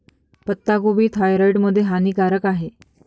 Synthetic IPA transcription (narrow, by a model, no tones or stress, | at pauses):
pət̪ːaɡobiːt̪ʰajɾəjʈməd̪ʱjeɦaniːkaɾəkaɦe